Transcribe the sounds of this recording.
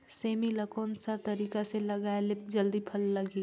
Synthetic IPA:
seːmilɐkoːnsat̪ɐɾiːkaselɐɡaːelɪp̚d͡ʒɐld̪ipʰɐlːɐɡiː

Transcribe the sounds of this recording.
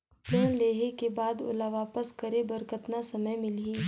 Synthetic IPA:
pə̃leːɦekebaːd̪ʊ̰laʋaːpəskɐɾebɐɾkʰət̪nasɐməjmɪliː

